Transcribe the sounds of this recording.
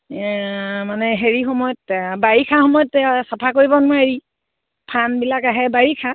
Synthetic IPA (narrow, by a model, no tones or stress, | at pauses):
manɛɦeɹixɔmɔjɔt̚baɹikʰaxɔmɔjɔtsapʰakoɹibɔnʊaeɹi | pʰanbilakaɦɛbaɹikʰa